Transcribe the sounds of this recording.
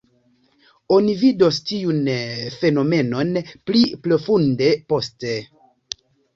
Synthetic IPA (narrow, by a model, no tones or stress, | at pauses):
o̞nividostiunfe̞no̞me̞no̞npliplo̞funde̞poste̞